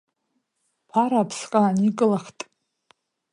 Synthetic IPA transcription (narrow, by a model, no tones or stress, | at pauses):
pʰaɾaːpʰsqʼaːnikʼɨlaχtʼ